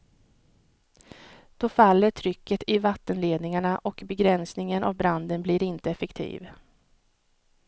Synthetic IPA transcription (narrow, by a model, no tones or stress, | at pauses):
d̪̥ɔfalːəʈʰɾʏkːət̪ʰɪvat̪ːənleːd̪nɪŋaɳaʔɔkbɛɡɾɛnsnɪŋənʔa̰vbɾand̪ənblɪɾɪnt̪əɛfɛkt̪ʰḭːv